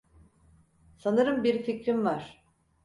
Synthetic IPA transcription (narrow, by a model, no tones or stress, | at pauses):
sanɯɾɯmbiɾficɾimvaɾ̝̥